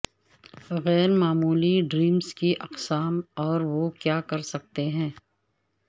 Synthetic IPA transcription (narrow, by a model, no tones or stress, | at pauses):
ɣɛːɾmaːmuːliɖɾiːmzkiʔɐqsaːmɔːɾʋokjaːkɐɾsɐk̚t̪eɦɛ̃ː